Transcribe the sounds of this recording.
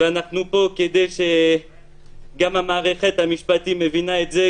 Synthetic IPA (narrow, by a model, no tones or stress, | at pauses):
veanaχnupo̞ked̪ejʃe | ɡamamaːʁeχet̪hamiʃpat̪imevinaet̪ze